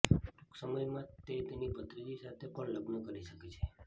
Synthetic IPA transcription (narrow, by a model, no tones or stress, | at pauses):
ʈuksəməjmãt̪et̪enipət̪ɾəd͡ʒisat̪ʰepəɳləɡnəkəɾiʃəket͡ʃʰe